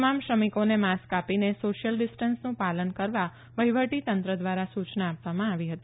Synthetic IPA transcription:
mamʃɾəmikonemaskapinesoʃjəlɖisʈənsnũpalənkəɾʋa | ʋəɦiʋəʈit̪ənt̪ɾəd̪ʋaɾasut͡ʃnəapʋamãaʋiɦət̪i

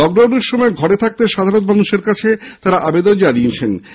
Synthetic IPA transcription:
ɔɡɾoniɾʃɔmɔeɡʱɔɾet̪ʰak̚t̪eʃad̪ʱaɾot̪manuʃeɾkat͡ɕʰet̪aɾaʔabed̪ond͡ʑaniet͡ɕʰen

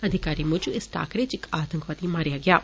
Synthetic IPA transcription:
əd̪ʱɪkaːɾiːmʊ̃d͡ʒuɪsʈa̰ːkɽeːt͡ʃɪkaːt̪ə̃ŋkʋaːt̪iːmaːɾɪjaːɡɪjaː

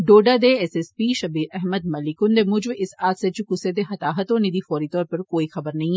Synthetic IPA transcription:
ɖoːɖad̪eɛsɛspiːʃɐbiːɾɛɦməd̪̚mɐlɪkʊnd̪emʊd͡ʒbɪsaːd̪set͡ʃukʊsed̪exɐt̪aːɦɐt̪õnɪd̪ifɔːɾit̪ɔːɾpɐɾkoːixɐbəɾnɐɦĩ

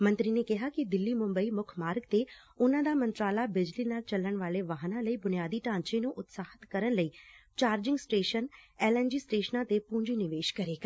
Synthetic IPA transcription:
mə̃nt̪ɾiːneːkɪɦaːkɪd̪ɪlːiːmʊmbəiːmʊkʰmaːɾɡt̪eː | ʊnãːd̪aːmənt̪ɾaːlaːbɪd͡ʒliːnaːlt͡ʃəlːəɳʋaːleːʋaːɦnãːləiːbʊnijaːd̪iːʈãːɲt͡ʃẽːnũːʔʊt̪saːhət̪kəɾənləiːt͡ʃaːɾd͡ʒɪŋɡsʈeːʃənɛːlɛːnd͡ʒiːsʈeːʃnãːt̪eːpũːɲd͡ʒiːnɪʋeːʃkəɾeːɡa

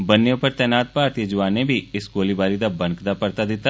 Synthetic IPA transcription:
bɐnːjõpɐɾt̪ɛːnaːt̪̚paːɾt̪jed͡ʒʊʋaːnebʱiɪsɡoːlibaːɾid̪abɐ̃ŋkd̪apɐɾt̪ad̪ɪt̪a

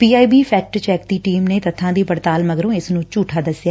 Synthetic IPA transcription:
piːaːiːbiːpʰɛːk̚ʈt͡ʃɛːk̚d̪iːʈiːmneːt̪ət̪ʰːãːd̪iːpəɽt̪aːlməɡɾõːɪsnũːt͡ʃuːʈʰaːd̪əsɪjaː

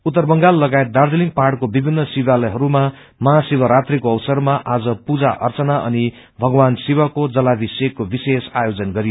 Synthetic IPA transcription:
ut̪ːʌrbʌŋɡalːʌɡajet̪̚d̪ard̪eliŋɡpaɽkobibʱinːʌsiwalʌɦʌɾuma | mʌɦasibʌɾat̪rikoʌwsʌrmaʔad͡zʌpud͡zaʔʌ̰rt͡sʌnaʔʌ̰ni | bʱʌɡwansiwʌkod͡zʌlabʱisekːobisesajod͡zʌnɡʌɾijo

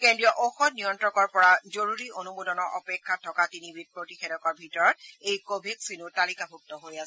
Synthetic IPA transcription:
kendɹijɔʔoxɔtnijɔntɹɔkɔɹpɔɹazoɹuɹiʔonumudɔnɔɹʔɔpɛkʰːatʰːɔkatinibid̚pɹotixedɔkɔɹbʱitɔɹɔt̚ejkobʱeksinutalikabʱuk̚tɔɦojasɛ

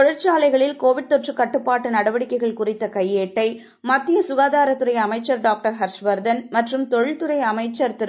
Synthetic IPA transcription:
t̪ɔɻɪɾt͡ʃaːlɐɪɣɐɭɪlkoːʋɪɽ̚t̪ɔʈrɯkːɐʈːɯpːaːʈːɯnɐɽɐʋɐɽɪkːɐɪɣɐɭkʊrɪt̪ːɐkɐjːeːʈːɐɪ | mɐt̪ːɪjɐsʊɣaːðaːɾɐt̪ːɯɾɐɪjɐmɐɪt͡ʃːɐɾɖaːk̚ʈɐɾɦɐɾʂʋɐɾd̪ɐnmɐʈrɯmt̪ɔɻɪɭt̪ɯɾɐɪɐmɐɪt͡ʃːɐɾt̪ɯɾ

